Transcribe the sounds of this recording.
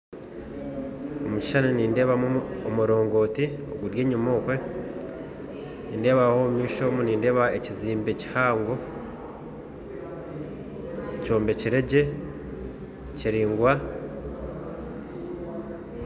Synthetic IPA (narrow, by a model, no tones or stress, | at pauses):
omuci̥ʃaniniːnde̞ːβamuomuɾo̞ːŋɡo̞ːtio̞̰ɡuɾje̞ːɲumoːkwe̞ | niːnde̞ːβahoːmumiːʃo̞muniːnde̞ːβaeciziːmbeci̥haːŋɡo̞ | co̞ːmbe̞ciɾe̞ɟe̞ | ciɾiːŋɡwa